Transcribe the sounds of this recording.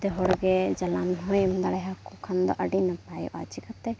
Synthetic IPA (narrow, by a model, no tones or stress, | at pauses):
d̪ɛɦɔɽɡɛd͡ʒɐlanɦɔjmd̪aɽɛɦakukʰand̪ɔ̰ʔəɖinapaj̰ʔa̰t͡ʃikat̪ɛ